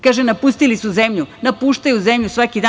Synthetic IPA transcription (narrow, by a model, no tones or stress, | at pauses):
kaːʒenapust̪ilisuzemʎunapuʃt̪ajuzemʎusʋakid̪a